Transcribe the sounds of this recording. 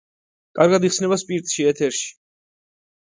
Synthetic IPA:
kʼaɾɡad̪iχsnɛβaspʼiɾt̪ʼʃiɛt̪ʰɛɾʃi̥

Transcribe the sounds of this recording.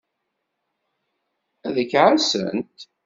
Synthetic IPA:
æðəkʕasə̰nt̪

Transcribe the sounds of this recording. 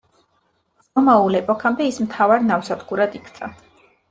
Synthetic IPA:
sɔmaulɛpʼɔkʰamb̪ɛismt̪ʰavaɾnafsad̪ɡuɾad̪ikʰt̪sʼa

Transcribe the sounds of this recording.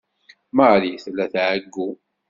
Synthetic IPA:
məliθlːæθʕəɡːu

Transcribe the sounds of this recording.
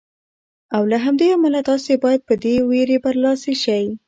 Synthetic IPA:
awlaɦamd̪eamalat̪ɑsebɑjad̪̚pəd̪eweɾebaɾlɑseʃawi

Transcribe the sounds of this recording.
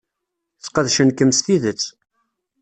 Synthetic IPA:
sqəðʃənkəmst̪iðət͡sː

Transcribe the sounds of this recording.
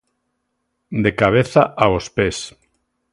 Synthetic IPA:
d̪ekaβ̞eθaʔaospes

